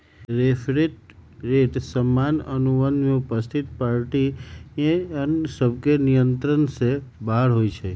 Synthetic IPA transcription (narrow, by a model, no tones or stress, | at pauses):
ɾefʰɾiʈɾeʈsəmːanənuʋənd̪meupəst̪ʰit̪̚paɾʈi | ənsəbkenijənt̪ɾənsebaɦɽɦojt͡ʃʰe